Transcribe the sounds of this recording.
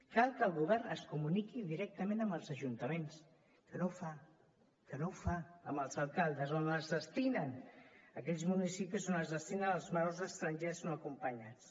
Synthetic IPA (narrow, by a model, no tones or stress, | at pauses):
kalˠkəlˠɣuβɛrnəskumunikiðiɾɛk̚t̪əmẽnəmbəlˠzəʒunt̪əmens | kənofa | kənofaəməlˠzəlˠkalˠd̪əzonəzðəst̪inənəkɛʎzmunisipizonəzðəst̪inənəlˠzmawzəst̪ɾənʲʒeznoəkumpəɲat͡s